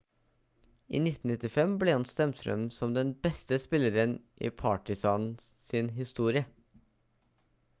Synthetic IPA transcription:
ʔḭːnɪt̪n̩ɪt̪ɪfɛmbleːhɑnst̪ɛmt̪fɾœ̰msɔmd̪ɛnbɛst̪əspɪləɾənʔḭːpʰɑːʈɪsɑːn | sɪnɦɪst̪uːɾɪə

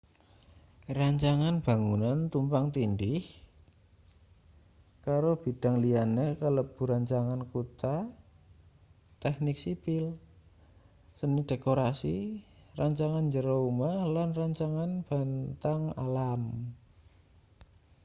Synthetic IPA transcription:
raɲt͡ʃaŋanb̥a̤ŋunant̪umpaŋt̪indɪh | kaɾob̥i̤d̥a̤ŋlianekələb̥ṳɾaɲt͡ʃaŋankut̪a | t̪ɛknɪksipɪl | sənid̥ekoɾasiraɲt͡ʃaŋand͡ʒəɾoumalanraɲt͡ʃaŋanb̥a̤nt̪aŋa̰lam

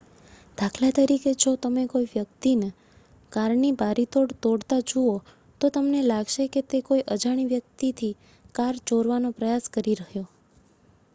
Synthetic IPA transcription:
d̪̥ʱakʰlat̪əɾiked͡ʒot̪əmekoiʋjək̚t̪ine | kaɾnibaɾit̪oɽt̪oɽt̪ad͡ʒuo | t̪ot̪əmnelaɡʃeket̪ekoiʔəd͡ʒaɽ̃iʋjək̚t̪it̪ʰi | kaɾd͡ʒoɾʋanopɾəjaskəɾiɾəɦjo

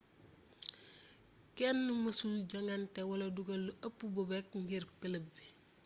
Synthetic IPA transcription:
kɛnːumɐsulɟɐŋɡɐntɛwɐlɐduɡɐlːuʔɐpːubɔbɛk̚ŋɡirkɐlɐbːi

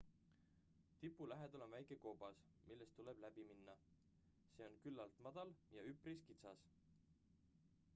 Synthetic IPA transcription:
t̪ipːˑulæɦe̞d̪̥ɑlo̞nvæjke̞ko̞ːbɑs | milːe̞st̪ːule̞b̥læb̥iminːɑ | se̞ːo̞nkylːɑlt̪mɑd̪̥ɑljɑypriskit̪sɑs

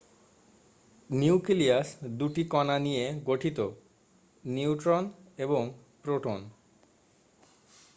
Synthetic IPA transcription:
niukiliasd̪uʈikɔnanijeɡoʈʰit̪o | niuʈɾoneboŋ | pɾoʈʰon

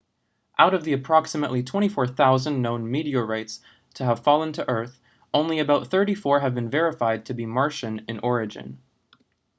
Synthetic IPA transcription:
ʔaʊɾʌvðiɨpʰɹ̥ɑksɨməʔlitʰw̥ɛ̃ɾ̃ifɔɹθaʊzɨ̃nːõʊ̃nmiɾiəɹaɪts | tʰɨːv̥fɑlˠə̃ntʰɨʔɜ˞θ | ʔõʊ̃nliɨbaʊt̪̚θɜ˞ɾifɔɹɨvbɨ̃nvɛɹɨfaɪd̚tʰɨbimɑɹʃɨ̃nɨ̰̃nʔɔɹɨd͡ʒɨ̰̃n

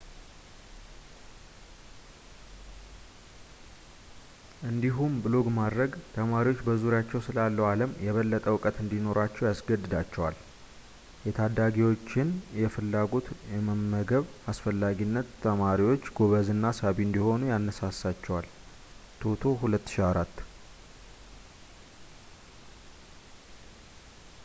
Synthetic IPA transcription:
ʔɨnd̪iɦumbɨlo̞ɡmad̪ɾəɡt̪ʰəmaɾiwo̞t͡ʃːbəzuɾjat͡ʃːɛwsɨlalːəwaləmjɛβəlːət̪ʼəwɨkʼət̪ɨnd̪ino̞ɾat͡ʃːɛwjasɡəd̪ːɨd̪at͡ʃːɛwal | jɛt̪ʰad̪aɡiwo̞t͡ʃːɪnjɛfɨlːaɡo̞t̪jɛməmːəɡəβasfəlːaɡinːət̪ːʰəmaɾiwo̞t͡ʃːɡo̞βəzɨnːasaβiɨnd̪iho̞nujanːəsasat͡ʃːɛwal | t̪ʰot̪ʰo̞hulət̪ːɨ̥ʃiaɾat̪ː

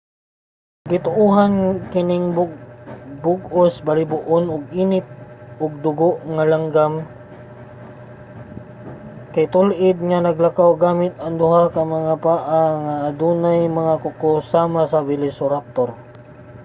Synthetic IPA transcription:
ɡɪt̪ʊʔuːɦankɪnɪŋb | bʊɡosbalɪbʊʔonʊɡʔiːnɪp̚ʊɡ̚d̪ʊɡoʔŋalaŋɡam | kajt̪ʊlʔɪd̪̚ŋanɐɡlakawɡaːmɪt̪̚ɐŋd̪ʊɦakɐmɐŋapaːʔaŋaʔːd̪uːnajmɐŋakʊkosaːmasabɪlɪsʊɾap̚t̪oɾ

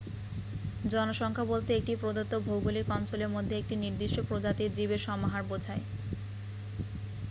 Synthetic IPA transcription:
d͡ʑɔnoʃɔŋkʰabolt̪eek̚ʈipɾod̪ot̪ːobʱowɡolikɔnt͡ɕoleɾmod̪ʱːeek̚ʈiniɾd̪iʃʈopɾod͡ʑat̪iɾd͡ʑibeɾʃɔmaɦaɾbod͡ʑʱae

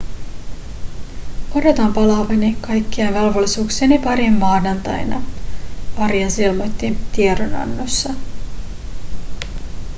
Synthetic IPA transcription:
odo̞t̪ɑmpɑlɑʋɑnikɑjkːiɑnʋɑlʋolːisuːksenipɑɾimːɑːnɑnt̪ɑ̰jnɑ̰ | ɑɾjɑsilmojt̪ːit̪ieɾonɑ̰nːosːɑ

